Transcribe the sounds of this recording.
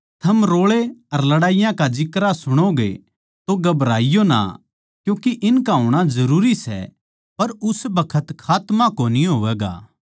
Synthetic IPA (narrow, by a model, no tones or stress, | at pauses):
t̪ʰɐmɾoːɭeɐɾlɐɽaːɪjãkad͡ʒɪkɾasʊɽ̃oɡḛ | t̪oɡɐbɾaːɪjona̰ | kjũːkiʔɪnkaɦoːɽ̃azɐɾuːɾisɛ̰ | pɐɾʊsbɐkʰət̪kʰaːt̪mãkoniɦoːʋɛːɡa̰ː